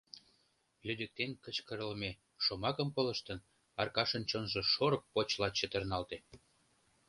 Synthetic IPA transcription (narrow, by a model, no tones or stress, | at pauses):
lyd̪ə̆k̚t̪enkə̆t͡ɕkəɾələme | ʃomɑkə̆mpolə̆ʃt̪ən | ɑrkɑʃə̆nt͡ɕonʒĕʃoɾək̚pot͡ɕlɑt͡ɕət̪ə̆rnɑlt̪e